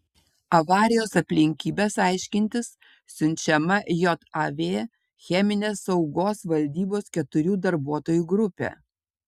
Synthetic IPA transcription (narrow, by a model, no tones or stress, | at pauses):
ɐʋɑːɾʲɪjoːsɐpʲlʲɪŋʲkʲiːbʲeːsɑˑɪʃʲkʲɪnʲt̪ʲɪs | sʲʊnʲt͡ʃʲɛmɐjɔt̪ɐʋʲeː | xʲɛmʲɪnʲeːsːɒʊɡoːsʋɐlʲd̪ʲiːboːskʲɛt̪ʊɾʲuːd̪ɐɾbuɔt̪oːjuːɡɾʊpʲḛː